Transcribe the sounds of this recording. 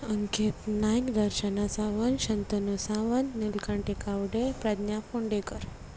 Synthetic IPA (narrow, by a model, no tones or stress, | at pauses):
əŋkʰet̪najikd̪əɾʃənasaʋənʃənt̪onusaʋənːulkãɳʈekaʋɖepɾad̪nafʰoɳɖekəɾ